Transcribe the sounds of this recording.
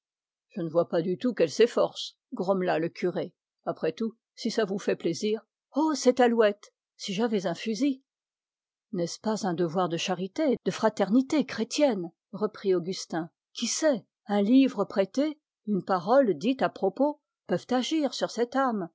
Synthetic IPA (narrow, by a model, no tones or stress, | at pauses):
ʒ̥ənəvwapad̪yt̪ukɛlsɛfɔʁs | ɡʁɔmlaləkʰʲyʁe | apχɛt̪u | sisavufɛpleziːʁ | osɛt̪alwɛt̪ | siʒavɛzɛ̃fyzi | nɛspazɛ̃d̪əvwaʁd̪əʃaʁit̪ed̪̥əfχat̪ɛʁnit̪ekχet̪jɛn | ʁəpχioɡʲyst̪ɛ̃ | kʲʰisɛ | ɛ̃livʁəpχet̪e | ynpaʁɔld̪it̪apχɔpo | pœvt̪aʒiʁsyʁsɛt̪am